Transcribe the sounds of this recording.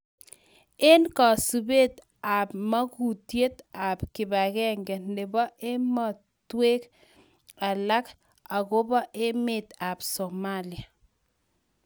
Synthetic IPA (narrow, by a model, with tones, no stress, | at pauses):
e˦nkɔ˨su˨be˦t̪ | a˨pma˦ku˨tje˦t̪a˨pkɪ˨ba˨ɣɛ˦ŋɡɛ˨nɪ˨bɔ˦e˦mɔ˨ | twe˦k | a˨la˦k | a˨ɣʊ˦bɔ˦ʔe˦mɪ˨t̪a˨bsɔ˨mali˨a˨